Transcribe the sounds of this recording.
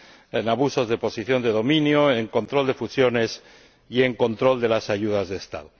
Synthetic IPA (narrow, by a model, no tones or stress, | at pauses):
enaβ̞uso̞zðepo̞siθjo̞nd̪e̞ðo̞mĩnjoeŋko̞nt̪ɾo̞ld̪e̞fusjo̞ne̞s | ie̞ŋko̞nt̪ɾo̞ld̪e̞lasaʝuð̞azðest̪a̰ðo